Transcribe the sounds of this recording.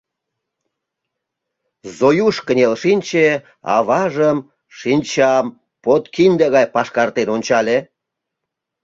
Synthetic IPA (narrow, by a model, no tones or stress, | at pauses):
zojuʃkənʲelʃinʲt͡ɕe | ɑ̰βɑʒəm | ʃinʲt͡ɕɑm | pot̪kinʲd̪eɣɑjpɑʃkɑrt̪enonʲt͡ɕɑlʲe